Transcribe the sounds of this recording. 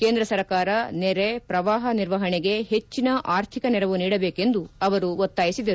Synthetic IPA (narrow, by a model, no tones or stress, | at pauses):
keːnd̪ɾɐsɐɾkaːɾɐnɛɾepɾɐʋaːɦɐniɾʋɐɦɐɳɛɡe̞ɦe̞t͡ʃːinɐʔaːɾt̪ʰikɐnɛɾɐʋuniːɽɐbe̞ːke̞nd̪uɐʋɐɾuʋot̪ːaːjisid̪ɐɾ